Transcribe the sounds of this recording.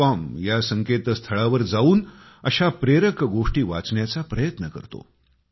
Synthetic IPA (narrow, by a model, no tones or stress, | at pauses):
amjasəŋket̪st̪ʰəɭaʋəɾd͡zauːn | əɕapɾeɾəkɡoʂʈiːʋa̰t͡sɳjat͡sapɾəjət̪nəkə̰ɾt̪o̰